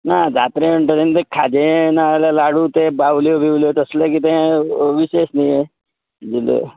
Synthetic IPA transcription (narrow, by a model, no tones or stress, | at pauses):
nad͡zat̪ɾeəɳʈət̪ent̪ekʰːad͡ʒenalalaɽut̪ebawljobʱiwljot̪əslekit̪̬ẽʋisesnije | d͡ʒilḛ